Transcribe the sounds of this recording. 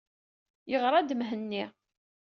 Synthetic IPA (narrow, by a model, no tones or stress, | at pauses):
jəʁɾˤad̪mɦənːi